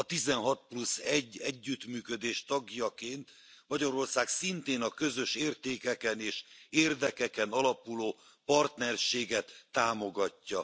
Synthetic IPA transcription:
ɒt̪izɛnɦɒt̪̚plusɛɟːɛɟːyt̪myːkø̞d̪eːʃt̪ɒɡjɒkeːnt̪ | mɒɟɒɾo̞rsaːksint̪eːnɒkø̞zø̞ʃeːrt̪eːkɛkɛneːʃeːrd̪ɛkɛkɛnɒlɒpuloː | pɒrt̪nɛrʃeːɡɛt̪ːaːmo̞ɡɒcːɒ

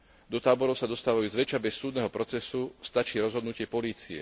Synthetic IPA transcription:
d̪ɔt̪aːbɔɾɔʊsad̪ɔst̪aːʋajuzʋɛt͡ʃabɛsːuːd̪nɛɦɔpɾɔt͡sɛsust̪at͡ʃiːɾɔzɦɔd̪nucɪɛpɔliːt͡siɛ̰

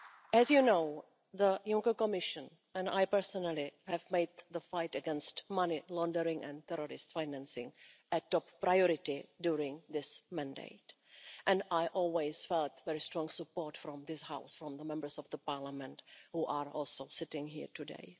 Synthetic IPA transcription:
ɛzjunoʊ | ðəjʊ̃ŋkəkɔmɪʃə̃n | ɛ̃nda̰jpɛɹsɔnalɪhɛvmeɪd̪̚ðəfaɪtəɡɛ̃nstmanɪlɔ̃ndəɾɪ̃ŋɛ̰̃nt̪ɛɾɔɾɪstfaɪnæ̃nsɪ̰̃ŋʔɨtɔppɾajɔɾɪtɪdjuɹɪ̃ŋðɪsmæ̃ndḛɪt | ʔɛ̃najʔɔlˠweɪz̥fɛltvɛɹistɹɔ̃ŋsəpɔɹtfɾɔ̃mðɪshaʊsfɹɔ̃mðəmɛ̃mbə˞sɔvðəpaɹlamɛ̃nthuːʔaɹɔlˠsoʊsɪtɪ̃ŋɦḭːɹtʰudḛɪ

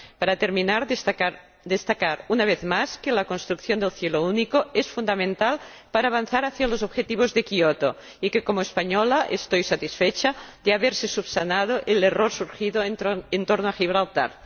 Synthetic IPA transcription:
paɾat̪eɾminaɾ | d̪est̪akaɾunaβ̞eθmaskelakonst̪ɾukθjond̪elθjelounikoesfund̪amẽnt̪al | paɾaːβ̞anθaɾaθjalozobxet̪iβ̞ozðekiot̪o | ikekomoespaɲɔlaʔḛst̪ojsat̪isfet͡ʃad̪eaβeɾsesuβsanað̞oʔeleroɾsuɾxiðoent̪oɾnoaxiβɾalt̪a̰ɾ

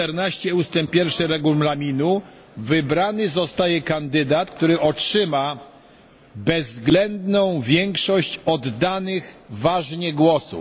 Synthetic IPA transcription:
ɛɾnaɕt͡ɕɛust̪ɛmpʲjɛɾfʂɘɾɛɡumlamʲinu | vɘbɾanɘzɔst̪ajɛkand̪ɘd̪at̪k̚t̪uɾɘʔɔtʂɘma | bɛzːɡlɛnd̪nɔ̃w̃vʲjɛŋkʂɔɕt͡ɕɔd̪ːanɘxvaʐɲɛɡwɔsṵ

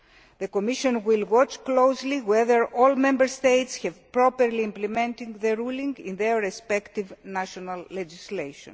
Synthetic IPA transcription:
ðekomiʃõnwilwɔt͡ʃklowzliweðəɹolmẽmbəɾst̪ejtsxɛvpɾopeɾliĩmplemẽnt̪ĩŋðeɾulĩŋɡḭ̃nðeɹːespekt̪ivnaʃonɐlːed͡ʒislejʃõ̰n

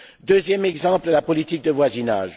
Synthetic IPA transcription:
d̪øzjɛmɛɡzɑ̃pld̪əlapɔlit̪ik̚d̪əvwazina̰ːʒ

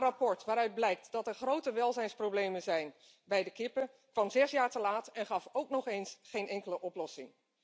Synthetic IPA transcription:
rapɔɹtʋaːɾœɥd̚blɛjk̚tdɑtɛɹχrowtəʋɛlˠzɛjnsprowblejmənzɛjn | bɛjdəkɪpə | kʋɑmzɛsjaːɹtəlaːtɛnχɑfowknɔχejnsχejnʔɛŋkələʔɔplɔsɪŋ

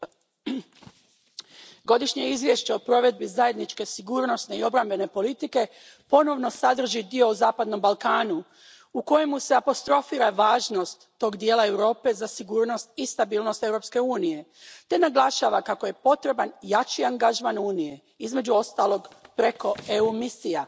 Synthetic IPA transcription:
ɡo̞d̪iʃɲeizʋje̞ʃt͡ɕeopɾo̞ʋe̞d̪̚bizaje̞d̪nit͡ʃke̞siɡuːɾno̞sne̞io̞bɾambe̞ne̞po̞lit̪ike̞ | po̞no̞ʋno̞sad̪r̩ʒid̪io̞uzaːpad̪no̞mbalˠkaːnu | uko̞jemuse̞apo̞st̪ɾo̞fiːɾaʋaːʒno̞st̪ːo̞ːɡd̪jeːlae̞wɾo̞ːpe̞zasiɡuːɾno̞st̪̚ist̪abiːlˠno̞st̪ewɾo̞pske̞uːnije̞t̪e̞naɡlˠaʃaːʋakako̞je̞po̞t̪ɾe̞banjat͡ʃiaŋɡaʒmanuːnije̞ | izme̞d͡ʑuo̞st̪aːlˠo̞ɡpɾe̞ko̞e̞umisija

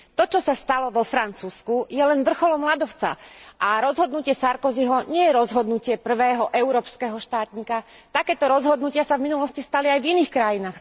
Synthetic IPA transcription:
t̪ɔt͡ʃɔsast̪alɔʋɔfɾant͡suːskujɛlɛnʋr̩xɔlɔmlad̪ɔʊt͡sa̰ʔaɾɔzɦɔd̪nucɪɛsaɾkɔziɦɔɲɪɛjɛɾɔzɦɔd̪nucɪɛpr̩ʋɛːɦɔʔɛʊɾɔːpskɛɦɔʃt̪aːt̪ɲiːka | t̪akɛːt̪ɔɾɔzɦɔd̪nucɪasavminulɔscist̪aliajviniːxkɾajinaːx

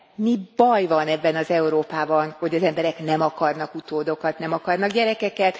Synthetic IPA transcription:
mibɒjvɒnɛbːɛnɒzɛuɾoːpaːbɒnho̞ɟɒzɛmbɛɾɛknɛmɒkɒrnɒkut̪oːd̪o̞kɒt̪nɛmɒkɒrnɒɡɟɛɾɛkɛkɛt̪

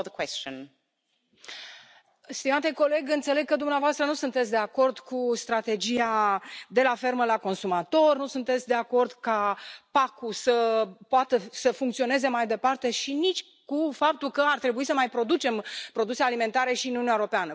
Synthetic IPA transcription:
ðəkʰwɛst͡ʃə̃n | st̪imat̪eko̞le̞ɡɨnt̪se̞leɡ̚kəd̪umneavoast̪ɾənusunt̪etsʲd̪e̞ako̞rd̪kust̪ɾat̪e̞d͡ʒiad̪e̞lafe̞rməlako̞nsumat̪o̞rnusunt̪et̪sʲd̪e̞ako̞rd̪kapakusəpoat̪əsəfuŋkt̪sio̞ne̞ze̞majd̪e̞part̪e̞ʃinit͡ʃʲ | kufap̚t̪ulkəart̪ɾe̞buisəmajpɾo̞d̪ut͡ʃe̞mpɾo̞d̪usealime̞nt̪aɾeʃiɨnununaeɾo̞peanə

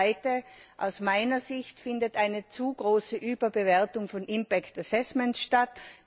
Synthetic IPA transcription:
ɪtəʔa̰ʊsmaɪnɐzɪçtfɪndətʔaɪnət͡suːɡʁoːsəʔyːbɐbəvɛɐtʊŋfɔnʔɪmpɛktasɛsmɛntʃtat

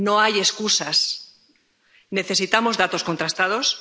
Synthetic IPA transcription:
no̞aje̞skusas | ne̞θe̞sit̪amo̞zðat̪o̞sko̞nt̪ɾast̪aðo̞s

